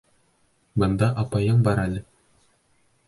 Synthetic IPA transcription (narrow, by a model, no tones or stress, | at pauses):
bɤ̆nd̪ɑʔɑpɑjɤɴbɑɾælɘ